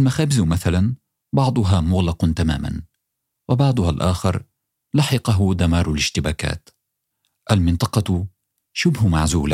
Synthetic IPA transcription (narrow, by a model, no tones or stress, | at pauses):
ʔalmaxaːbɪzmaθalan | bɑʕd̪ˤʊɦaːmʊɣlɑqnt̪ama̰ːma̰n | wɪbɑʕd̪ˤʊhalʔaːxɪɾˤ | lɑħɪqɑɦʊd̪amɑːɾˤalɪʃt̪ɪbaːka̰ːt̪ | ʔalmɪnt̪ˤɑqɑ | ʃʊbɦmaʕzuːla